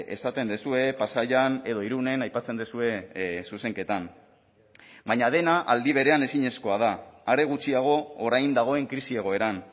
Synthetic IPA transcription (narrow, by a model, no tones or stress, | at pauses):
e̞̰sat̪e̞nd̪esue̞pasaʎane̞ðo̞iɾune̞najpat͡se̞nd̪esue̞suse̞ŋke̞t̪am | baɲað̞e̞naʔald̪iβ̞e̞ɾe̞ane̞siɲe̞sko̞að̞aːɾe̞ɣut͡siaɣ̞o̞ːɾajnd̪aɣ̞o̞e̞ŋkɾisie̞ɣ̞o̞e̞ɾan